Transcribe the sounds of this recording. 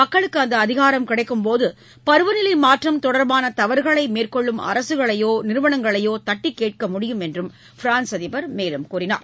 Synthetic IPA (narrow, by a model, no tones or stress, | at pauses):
mɐkːɐɭɯkːɯɐnd̪ɐːðɪɣaːɾɐmkɪɽɐɪkːɯmpoːðɯ | pɐɾɯʋɐnɪlɪmaːʈrɐmt̪ɔɽɐɾbaːnɐt̪ɐʋɐɾɣɐɭɐɪmeːrkɔɭːɯmɐ̰ɾɐsɯɣɐɭɐjoːnɪɾɯʋɐnɐŋɡɐɭɐjoːt̪ɐʈːikːeːʈ̚kɐmʊɽɪjɯmɛndrɯm | fɪɾaːnsɐðɪbɐɾmeːlɯmkuːrɪna̰ːɾ